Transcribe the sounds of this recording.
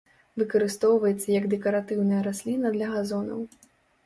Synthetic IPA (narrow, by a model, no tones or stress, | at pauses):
vɨkɐɾɨst̪ɔwvɐjɛt̪sːɐjɐɡd̪ɛkɐɾat̪ɨwnɐjɐɾasʲlʲinɐd̪lʲɐɣazɔnɐ̰w